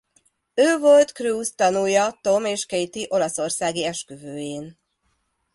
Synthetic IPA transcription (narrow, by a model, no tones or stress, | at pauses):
øːvo̞lt̪kruːst̪ɒnujɒt̪o̞meːʃkejt̪iʔo̞lɒso̞rsaːɡiɛʃkøvøːjeːn